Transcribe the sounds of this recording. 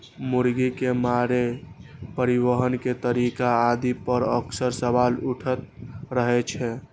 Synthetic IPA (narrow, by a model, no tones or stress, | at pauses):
muɾɡikemaɾepəɾiʋəɦənket̪əɾikaːd̪ipəɾəksəɾsəʋaluʈʰət̪̚ɾəɦɛt͡ʃʰɛ